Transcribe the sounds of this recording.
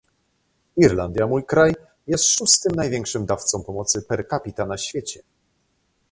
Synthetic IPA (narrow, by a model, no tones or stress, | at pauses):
iɾland̪jamujkɾaj | jɛst̪ʂust̪ɘmnajvʲjɛŋkʂɘmd̪aft̪sɔ̃w̃pɔmɔt̪sɘpɛɾkapʲit̪anaɕfʲjet͡ɕɛ